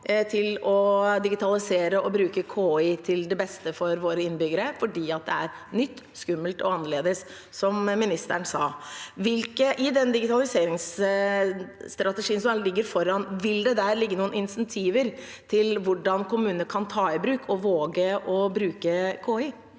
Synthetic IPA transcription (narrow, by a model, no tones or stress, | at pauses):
t̪ʰɪlɔd̪ɪɡɪt̪ʰɑlɪseːɾəɔbɾʉːkəkʰoːiːt̪ʰɪld̪ɛbɛst̪əfɔɾʋoːɾəɪnːbʏɡəɾəfɔɖiːɑt̪̚d̪ɛæ̰ɾnʏt̪ːskʉmːəlt̪ɔ̰ɑnːəɭeːd̪əsː | ɔmmɪnɪst̪əɳsɑːʋɪlkəʔɪd̪ɛnd̪ɪɡɪt̪ɑlɪseːɾɪŋs | t̪ɾɑt̪əʂiːənsɔlɪɡːəɾfɔɾɑnʋɪld̪ɛd̪æɾlɪɡːənuːənɪnsɛnt̪ʰiːʋəɾ | t̪ʰɪlʋʊɖːɑnkʊmʉːnəkʰɑnt̪ʰɑːɪbɾʉːkʰɔʋoːɡəʔɔbɾʉːkəkʰoːiː